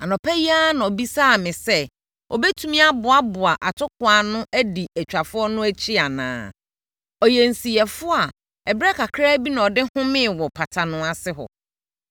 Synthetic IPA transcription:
a˨nɔ̃˨pʰæ˦ji˦a˦nã˨ɔ˨bi˦saː˦˨mɪ̃˨sɛ˦ | ɔ̰˨bɛ˦tʰũ˦mĩ˦a˦bʊ˨a˦bʊ˨a˨ʔa˨tʰʊ˦kʰʊ˨˦a˨˦nʊ̃˦ʔæ˦di˨ɛ˨t͡ɕᶣa˨fʊ˦ɔ˦nʊ̃˦æ˦t͡ɕʰi˦a˨nã̰ː˨˦ | ɔ˨jɛ˨n˨si˨ɛ˨fʊ˦a˨ | ɛ˨bɾɛ˦kʰa˨kʰɾa˦bi˦nã˨ɔ˨dɪ˦hʊ̃˦mɪ̃˦˨wɔ˨pʰa˨tʰa˨nʊ̃˦a˨sɪ˦ɦɔ̰˨

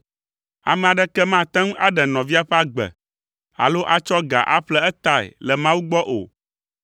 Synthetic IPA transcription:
a̰˨mɛ̃˨a˨ɖɛ˦kɛ˦mã˦˨t̪ɛ̃˦ŋu˦a˦ɖɛ˨nɔ̃˨vi˦a˦ɸe˦a˦ɡ͡bɛ̰˨ | a̰˨lo˦ʔa˨t͡ʃɔ˦ɡa̰˨ʔa˦ɸlɛ˦ɛ˦t̪a˨ḛ˨lɛ˨mã˦wu˦ɡ͡bɔ˦ʔo̰˨

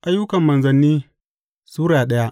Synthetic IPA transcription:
ʔa˦jːʊ˦kɐ˨mːɐ˨nzɐ˨nːiː˦ | suː˦ɽaː˨ɗɐ˦ja˦ʔ

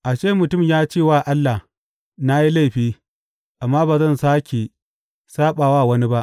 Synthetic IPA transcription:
ʔa˨ʃe˦˨mʊ˨tʊ˦˨mjaː˦t͡ʃeː˦˨waː˦ʔa˦lːa˨h | na˦ji˦la˦˨ɸiː˦ | ʔa˨mːaː˦baː˨zɐ˦˨nsaː˦kʲe˨ | saː˦ɓaː˨waː˦˨wɐ˦ni˦ba˦ʔ

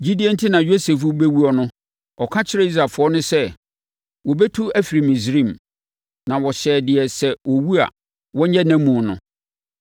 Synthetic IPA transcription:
d͡ʑu˦di˨˦ɛ˦n̩˦tʰɪ˦nã˨jo˦se˨f̬u˦be˦wu˦ɔ˨nʊ̃˦ | ɔ˨kʰã˦t͡ɕʰɪ˦ɾɛ˦i˦s̬ɾa˨fʊ˨˦ɔ˦nʊ̃˦sɛ˦ | wɔ˨bɛ˦tʰu˦æ˦fi˨ɾi˨mĩ˨sɾĩ˦˨m | nã˨wɔ˨ɕɛː˨dɪ˨ɛ˨sɛ˦wɔ˨wu˦a̰˨ | wɔ̃˦ɲɛ˦næ̃˦mũ˨nʊ̰̃˦

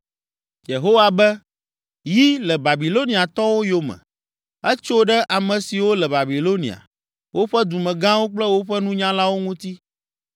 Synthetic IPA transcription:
je˨ɦo˦wa˨bɛ˦ | ji˦lɛ˨ba˨bi˨lo˦ni˨a˨t̪ɔ˦wo˦jo˦mɛ̰̃˨ | ɛ˦t͡ʃo˦ɖɛ˦ʔa˨mɛ̃˨si˨wo˦lɛ˨ba˨bi˨lo˦nḭ˨a̰˨ | wʔo˦ɸɛ˦d̪u˨mɛ̃˨ɡã˦wo˦k͡plɛ˦wo˦ɸɛ˦nũ˦ɲã˦la˦wo˦ŋũ˦t̪i˦

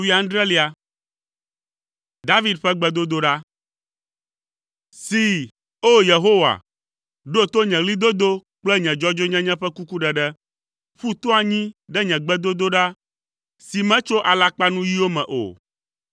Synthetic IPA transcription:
wi˨˦ã˨ŋ̃˦ɖ̪ɾɛ˦li˨a˨ | d̪a˦vi˦d̪ɸɛ˦ɡ͡bɛ˦d̪o˦d̪o˦ɖa˦ | si˨ | o˦je˨ɦo˦wa̰˨ | ɖo˦t̪o˦ɲɛ̃˨ɣli˦d̪o˦d̪o˦k͡plɛ˦ɲɛ̃˨d͡ʒɔ˦d͡ʒo˦ɲɛ̃˦ɲɛ̃˦ɸɛ˦ku˦ku˦ɖɛ˨ɖɛ˦ | ɸu˦t̪o˦a˨ɲĩ˦ɖɛ˦ɲɛ̃˨ɡ͡bɛ˦d̪o˦d̪o˦ɖa˦ | si˨mɛ̃˦t͡ʃo˦ʔa˨la˦k͡pa˦nũ˦ji˦wo˦mɛ̃˨ʔo̰˨

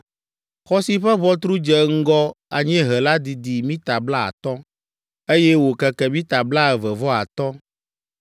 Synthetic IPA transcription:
xɔ˦si˦ɸɛ˦βɔ˦t̪̬ɾu˦d͡ʒɛ˨ŋ̩˦ɡɔ˦a˨ɲɛ̃˦ɦɛ˨la˦d̪i˨d̪i˨mĩ˦t̪a˨bla˦a̰˨t̪ɔ˦ | e˦jɛ˦wo˨kɛ˨kɛ˨mĩ˦t̪a˨bla˦ɛ˨vɛ˨vɔ˦a̰˨t̪ɔ˦

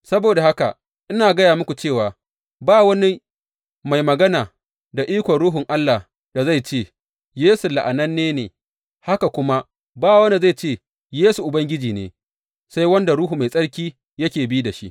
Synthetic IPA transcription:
sɐ˦boː˨da˨ha˦ka˨ | ʔɪ˦naː˨ɡɐ˦jaː˨mʊ˦kʷu˨t͡ʃeː˦˨waː˨ | baː˦wɐ˦ni˦ | ma˨jmɐ˨ɡɐ˦naː˨ | da˨ʔiː˦kʷɔ˨ɽuː˦ɦʊ˨ŋʔa˦lːa˨ | da˨za˦˨jt͡ʃeː˦˨ | jeː˦su˨la˨ʔa˨nɐ˦nːeː˦neː˨ | ha˦ka˨kʷʊ˦ma˦ | baː˦˨wɐ˦ni˦˨za˦˨t͡ʃeː˦˨ | jeː˦su˨ʔʊ˨bɐ˦ŋɡʲɪ˦d͡ʒiː˨nḛː˨ | sa˦jwɐ˦nda˨ɾuː˦ɦu˨ma˨jsʼɐ˦ɽkʲiː˦ | jɐ˦kʲeː˨biː˦da˨ʃḭ˦ʔ

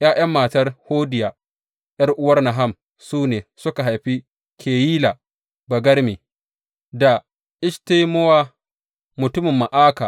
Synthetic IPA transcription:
ʔjaː˦j̰ɐ˦mːaː˨tɐ˦rhoː˦dɪ˨ja˨ | j̰ɐ˦rʔʊ˦wɐ˦rna˨ɦa˦˨m | suː˦neː˨sʊ˦ka˨ɦa˨jɸi˦ | kʰʲeː˨jiː˦la˨ | bɐ˨ɡɐ˦rmi˨ | da˨ | ʔɪ˦ʃte˦mo˦waː˦ | mʊ˨tʊ˦mɪ˨mːa˨ʔaː˦ka˨

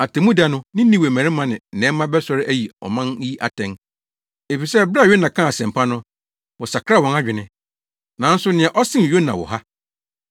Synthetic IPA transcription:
a˨tɛ̃˨mũ˦da˦nʊ̃˦nɪ̃˦nĩ˦we˨mæ̃˨ɾɪ̃˦mã˨nɪ̃˨nɛ̃˦mã˦bɛ˦sɔ˦ɾɪ˦ʔæ˦ji˨ɔ̰˨mã˦n˦i˦ʔa̰˨tʰɛ̃˨ŋ | e˨fi˨sɛ˦bɾɥo˦nã˨kʰã˦˨a˨sɛ̃˨m˨pʰa˦nʊ̃˦ | wɔ˨sa˨kʰɾa˦˨wɔ̃˨na˦d͡ʑᶣɪ˨nɪ̃˦ | nã˨n̩˦sʊ˦nɪ̃˨ɛ˨ʔɔ˦sɪ̃˦˨jo˦nã̰˨wɔ̰˨ɦa˦

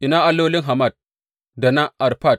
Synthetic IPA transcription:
ʔi˨na˦ʔa˨lːo˦li˦ŋɦa˨ma˦˨d̚ | da˨na˦ʔa˨ɾpa˦˨d̚

